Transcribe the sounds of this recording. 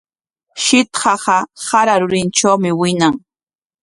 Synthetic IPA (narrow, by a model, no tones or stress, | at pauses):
ʃɪt̪hɑɢɑsaɾaɾʊɾɪnt͡ʃawmɪwɪnaŋ